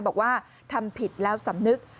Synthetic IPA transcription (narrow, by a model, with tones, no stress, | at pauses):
bɔː˨˩k̚waː˥˩ | t̪ʰa˧mpʰi˨˩t̪̚lɛː˦˥wsa˩˦mnɨ˦˥k̚